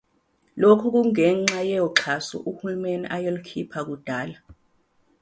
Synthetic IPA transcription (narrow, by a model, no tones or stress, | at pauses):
lokʰuk̬uŋɛŋ͡ǁajɛjɔǁʰasṵʔuhulumeniʔajolukʰipʰak̬ud̥ʱaːla